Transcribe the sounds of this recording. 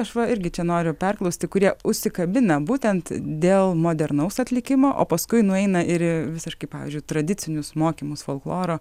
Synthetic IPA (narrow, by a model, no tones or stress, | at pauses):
ɐʃʋɐɪɾʲɡʲɪt͡ʃʲɛnoːɾʲʊpʲɛrklˠɐʊsʲt̪ʲɪkʊɾʲiɛʊʃʲsʲɪkɐbʲɪnɐbuːt̪ʲɛnt̪d̪ʲeːlˠmoːd̪ʲɛɾnɐʊsɐt̪ʲlʲɪkʲɪmoːʔo̰ːpɐskʊɪnʊɛɪnɐɪɾʋʲɪsʲɪʃkɐɪpɑːʋʲḭzʲd͡ʒʲʊɪt̪ɾɐd̪ʲɪt͡s̪ʲɪnʲʊsmoːkʲiːmʊsfoːlˠklˠoːɾoː